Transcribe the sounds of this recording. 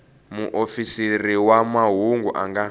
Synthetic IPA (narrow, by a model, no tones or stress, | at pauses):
muʔofisiriwamaɦuŋɡuʔa̰ŋɡa